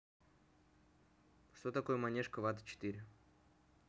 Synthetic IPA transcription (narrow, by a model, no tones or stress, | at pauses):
ʂt̪ot̪akojəmanʲɛʂkəvat̪ə̥t͡ɕɪ̥t̪iɾʲɪ